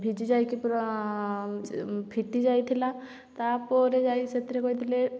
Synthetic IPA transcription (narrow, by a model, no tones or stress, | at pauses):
bʱid͡ʒid͡ʒajkip | pʰiʈid͡ʒajt̪ʰila | t̪aɾpɔɾed͡ʒajset̪iɾekɔjt̪ʰile